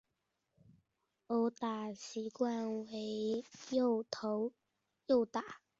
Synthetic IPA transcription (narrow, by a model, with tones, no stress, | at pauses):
o˨˩t̪a˨˩ɕi˨˦kwa˥˧nwe˨˧˦jo˥˧t̪ʰo˨˦ʊ | jo˥˧ʊt̪a˨˩